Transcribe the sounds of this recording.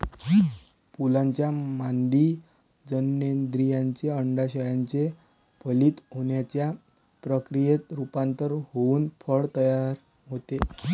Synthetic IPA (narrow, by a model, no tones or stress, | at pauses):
ki | pulaɲt͡ɕjamand̪iː | d͡zənjend̪ɾijaɲt͡ɕeəɳɖaɕəjaɲt͡se | pəliːt̪ɦoɳjat͡ɕja | pɾəkɾijet̪ɾupãnt̪əɾɦouːnfʰəɭt̪əjaɾ | ɦot̪e